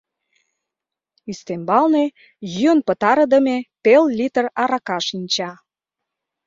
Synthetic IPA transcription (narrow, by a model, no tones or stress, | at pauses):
yst̪embɑlne | jyənpə̆t̪ɑɾə̆d̪ə̆mepellit̪ərɑɾɑkɑʃinʲt͡ɕɑ